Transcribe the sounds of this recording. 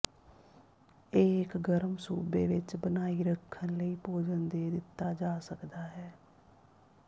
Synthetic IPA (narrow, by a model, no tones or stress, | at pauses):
ɪːkɡəɾmsṵːbeːʋɪt͡ʃbənaːiːɾəkʰːənləiːpoːd͡ʒənd̪eːd̪ɪt̪ːaːd͡ʒaːsəkd̪aːɦɛː